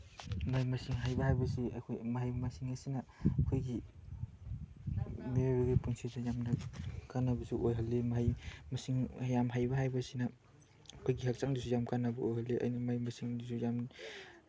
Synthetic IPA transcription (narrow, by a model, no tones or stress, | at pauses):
majmɐsiŋɦajbɐhajbɐsia̰kʰojmaɦajmɐsiŋɐsinɐkʰojɡi | meaɾiɡipuŋsʰizajamnɐkanːɐbɐsuʔojɦɐlːemaɦajmɐsiŋjamɦajbaɦajbɐsinɐ | kʰojɡihak̚t͡ʃaŋdisujamkanːɐbɐojhalːeʔa̰jnimajmɐsiŋdisujam